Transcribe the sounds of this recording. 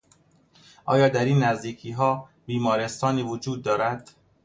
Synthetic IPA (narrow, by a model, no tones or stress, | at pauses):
ʔɒ̰ːjɒːd̪æɾiːnːæzd̪iːkʰiːɦɒː | biːmɒːɾest̪ɒːniːvod͡ʒuːd̪̚ːɒːɾæd̪̥